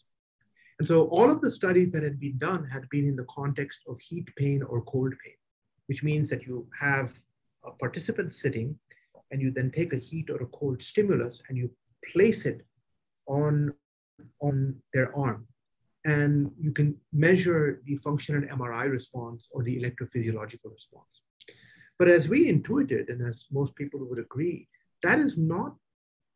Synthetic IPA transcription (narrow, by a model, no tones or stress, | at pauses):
ɛ̃nsoʔɔːlɔvd̪əsʈʌɾizðæt̚hɨd̚bĩndʌ̃nɦædbĩnɪ̃nðəkʰɑ̃nʈɛkstʰɔʋhiːʈpʰẽɪ̃nɔ̰ɹkʰolɖ̚pʰẽɪ̃n | wɪt͡ʃmĩːnzðætjuhæv | əpʰaɾʈɪsɨpə̃nʈsɪɾɪ̃ŋ | ɛ̃njud̪ɛ̃nʈʰeɪkəhiːʈɔɾəkʰoʊlɖsʈɪ̃mjl̩əsɛ̃nju | pʰl̥eːsɪt | ɔ̃n | ɔ̃nd̪əɹʔaɹm | ɛ̃njukɨ̃nmɛʒə˞d̪ifʌ̃ŋkʃə̃nə̃ɛ̰̃maɹaɪɹɨspɔ̃nsɔɾðiɪlɛk̚ʈɹofɪziəlɔd͡ʒɪkəlˠɹɨspɔ̰̃ns | b̥ʌɾæzwiɪ̃nʈʰuɪʈɪ̰dɨ̃næzmoːst̚piːpəl̩ˠwʊɾəɡɾi | d̪̥æɾɪznɔt̚